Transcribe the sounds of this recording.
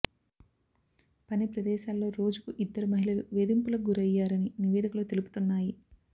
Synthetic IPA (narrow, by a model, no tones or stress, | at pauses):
pɐnipɾɐd̪ɛːʃaːlːo̞ːɾo̞ːd͡ʒukuʔid̪ːɐɾumɐɦilɐluʋeːd̪impulɐɡuɾɐjːaːɾɐniniʋɛːd̪ikulɐt̪elupu̥t̪unːaːji